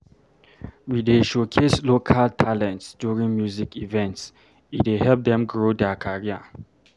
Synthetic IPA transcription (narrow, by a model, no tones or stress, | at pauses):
wideʃokʰeslokʰaltʰalɛ̃ntsdjuɹĩŋmjuzikivɛ̃nts | it̚dehɛlp̚d̪ɛ̃mɡɹodɛakʰaɹia